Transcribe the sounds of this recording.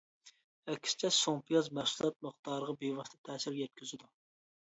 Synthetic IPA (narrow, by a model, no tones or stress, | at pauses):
ɛkʲʰst͡ʃʰɛsompʰijɑzmɛhsulˠɛt̪̚məχt̪ɑːɾəʁɑbewɑʃt̪ʰɛ̥t̪ʰɛːsɪɾjɛt̪̚kʲʰyzɪd̪u